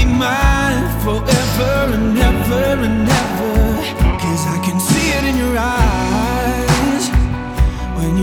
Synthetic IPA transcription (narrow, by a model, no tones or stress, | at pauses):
imãɪ̃nd̥fə˞ʔɛvə˞ɨ̃nɛvə˞ɨ̃nɛvə˞ | kʰʌzaɪkɨ̃nsiɪɾɨ̃njə˞a | z̥ | wɨ̃njə